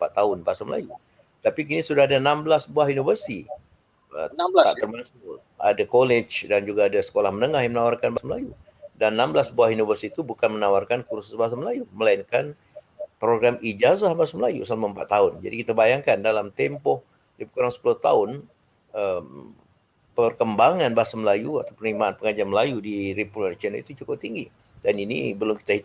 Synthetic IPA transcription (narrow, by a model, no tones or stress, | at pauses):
əmpat̪ːaʊnbaasaməla̰ju | t̪apik̬inisudaɦadanamblasbuaɦinovərsi | ə̰att̪ərmasʊl | a̰dakolet͡ʃdand͡ʒuɡaːdasə̥kolahmənəŋahjaŋmənawarkanbasməla̰ju | danːamblasbuahinovərsiːt̪ubukanmənawarkankursɪ̥sbas̬aməlajuməlainkan | pɾoɡɾamid͡ʒazahbaasaməlajṵsalmaəmpa̰t̪ːaʊnd͡ʒa̰dikit̪abajaŋkandalamt̪ɛmpɔh | dipəkuɾaŋsə̥pulʊht̪a̰ʊn | əm | pərkəmbaŋanbaɦasaməlajua̰t̪awpərlimaːnpəŋad͡ʒaməlajudiɾipulant͡ʃɛnəḭt̪ut͡ʃukʊp̚t̪iŋɡi | daninḭbəlʊmkit̪aɦi